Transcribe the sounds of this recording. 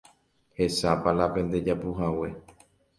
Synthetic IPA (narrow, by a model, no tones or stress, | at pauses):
he̞sapalapẽ̞nd̪e̞d͡ʒapuɦawe̞